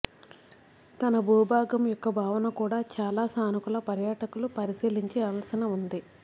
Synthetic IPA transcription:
t̪ɐnɐbʱuːbʱaːɡɐmjɔkːɐbʱaːʋɐnɐkuːɽaːt͡ʃaːlaːsaːnikulɐpɐɾjaːʈɐkulupɐɾisiːliɲt͡ʃiɐlɐsinɐund̪i

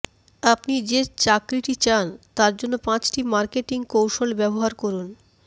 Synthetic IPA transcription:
apnid͡ʑet͡ɕakɾiʈit͡ɕant̪aɾd͡ʑonːopãt͡ɕʈimaɾkeʈiŋkowʃolbɛboɦaɾkoɾun

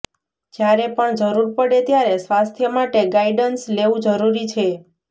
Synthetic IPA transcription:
d͡ʒjaɾepəɳd͡ʒəɾuɾpəɽet̪jaɾesʋast̪ʰjəmaʈeɡaiɖənsleʋũd͡ʒəɾuɾit͡ʃʰe

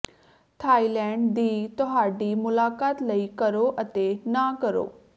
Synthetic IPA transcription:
t̪ʰaːilɛ̃ːɳɖd̪iːt̪ɔɦaːɖiːmʊlaːkaːt̪ləikəɾoʔət̪enakəɾo̰ː

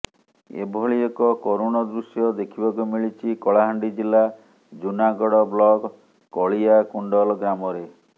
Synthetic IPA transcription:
ḛbʱɔɭiekɔkoɾoñɔd̪ɾusjɔd̪ekʰibakumiɭit͡ʃʰikɔɭaɦaɳɖid͡ʒilːa | d͡ʒunaɡɔɽɔblɔɡ | kːɔɭiakuɳɖɔlɡɾamɔɾe

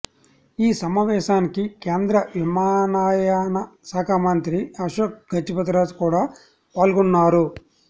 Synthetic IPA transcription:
iːsɐmaːʋɛːʃaːnikikeːnd̪ɾɐʋimaːnaːjaːnɐsaːkʰaːmɐnt̪ɾiɐʃɐk̚ɡʱɐt͡ʃːipɐt̪ɾaːd͡ʒkuːɽaː | paːlɡunːaːɾu

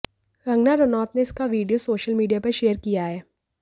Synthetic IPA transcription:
ɾɐ̃ŋɡnaɾʊnɔːt̪neɪskaʋiːɖijosoːʃəlmiːɖijapɐɾʃeːəɾkijaɦɛː

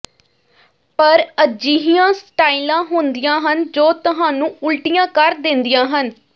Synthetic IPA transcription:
pəɾəd͡ʒiːɦijãːsʈaːiːlãːɦoːnd̪ijãːɦənd͡ʒoːt̪ʊɦãːnũːʊlʈijãːkəɾd̪ɪnd̪ɪjãːɦən

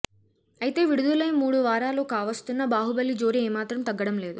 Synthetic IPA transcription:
ɐjit̪e̞ːʋiɽud̪ulɐjmuːɽuʋaːɾaːlo̞ːkaːʋɐst̪unːɐbaːɦubɐlːid͡ʒo̞ːɾieːmaːt̪ɾɐmt̪ɐɡːɐɽɐmle̞ːd̪u

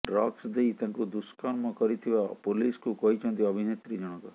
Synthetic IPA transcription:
ɖɾɔksd̪eit̪ãŋkud̪uskanmɔ̃kɔɾit̪ʰibapoliskukɔɦit͡ʃʰɔ̃nt̪iɔbʱinet̪ɾid͡ʒɔɽ̃ɔkɔ

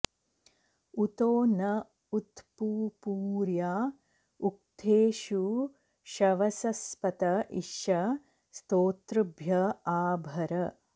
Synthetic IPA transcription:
ut̪oːnɐ | ut̪puːpuːɾjaː | uk̚t̪ʰeːʃu | ʃɐʋɐsɐspɐt̪ɐʔiʃɐ | st̪oːt̪ɾɨbʱjɐaːbʱɐɾɐ

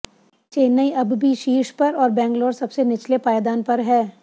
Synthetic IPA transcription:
t͡ʃeːnəiɐbbʱiʃiːʃpɐɾɔːɾbɛ̃ːŋɡloːɾsɐbsenɪt͡ʃlepaːjd̪aːnpɐɾɦɛː

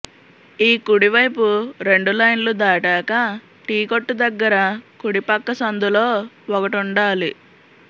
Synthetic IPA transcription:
iːkuɽiʋɐjpuɾe̞ɳɖulɐjnlud̪aːʈaːkɐ | ʈiːkoʈːud̪ɐɡːɐɾɐkuɽipɐkːɐsɐnd̪ulo̞ː | ɔkɐʈuɳɖaːli

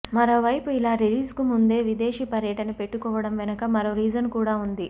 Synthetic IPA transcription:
mɐɾo̞ːʋɐjpuilaːɾiliːskumund̪e̞ːʋid̪e̞ːʃipɐɾjɐʈɐnɐpe̞ʈːukɔːʋɐɽɐmʋɛnɐkɐmɐɾoːɾiːd͡ʒɐnkuːɽaːund̪i

